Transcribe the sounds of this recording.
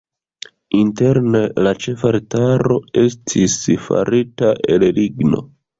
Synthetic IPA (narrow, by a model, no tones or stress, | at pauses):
inte̞ɾne̞lat͡ʃe̞faɾetaɾo̞e̞stʰisfa̰ɾitaʔelliɡno̞̰